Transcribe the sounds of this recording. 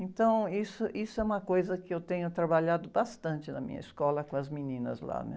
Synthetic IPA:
ẽnt̪ɐ̃w̃isʊʔisʊɛũmɐkojzɐkɪewt̪ẽɲʊt̪ɾabaʎad̪ʊbast̪ɐ̃nt͡ʃɪnɐmḭ̃ɲɐ̰iskɔlɐkõɐzminĩnɐ̰zla̰nɛ̰

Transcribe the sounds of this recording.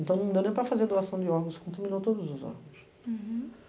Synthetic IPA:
ẽnt̪ɐ̃w̃nɐ̃w̃d̪ewnẽj̃pɾɐfazeɾd̪oasɐ̃w̃d̪ɪɔɾɡõskõt̪amĩnowt̪od̪ʊzʊzɔ̰ɾɡõs

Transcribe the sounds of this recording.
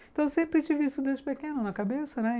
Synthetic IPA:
t̪ɐ̃w̃wsẽmpɾɪt͡ʃivɪist̪ʊd̪ẽzt͡ʃɪpekẽnʊnɐkabesɐnɛ

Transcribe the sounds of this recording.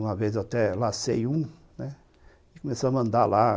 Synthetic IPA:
ũmɐvezwat̪ɛlɐ̃sḛjũ | nɛ | ɪkomesoɐmɐ̃nd̪ala

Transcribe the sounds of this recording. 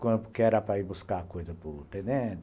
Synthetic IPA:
kɐ̃ʊkeɛɾɐpɾɐibuskakojzɐpʊt̪ẽnẽt̪

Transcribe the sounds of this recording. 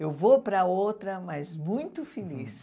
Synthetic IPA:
ewvopɾɐowt̪ɾɐmɐzmũj̃t̪ʊfelis

